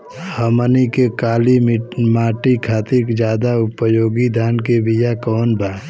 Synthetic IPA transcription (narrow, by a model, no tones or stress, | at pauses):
həmənikekaːlimaːʈikʰaːt̪iɾkd͡ʒjaːd̪aʊpəjoːɡid̪ʱaːnkebijakɔːnbʱaː